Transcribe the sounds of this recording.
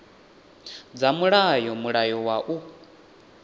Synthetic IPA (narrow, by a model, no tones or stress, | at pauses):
d͡zamuɺajɔmuɺajɔwaʔu